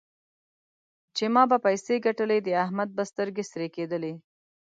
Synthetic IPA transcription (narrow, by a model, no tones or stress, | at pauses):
t͡ʃemɑbapajseɡaʈəled̪əaɦmad̪̚bast̪əɾɡesɾeked̪əle